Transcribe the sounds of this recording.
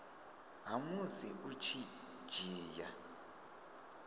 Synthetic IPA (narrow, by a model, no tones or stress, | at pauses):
ɦamuziʔut͡ʃʰi̥d͡ʒ̥ʱiːja̰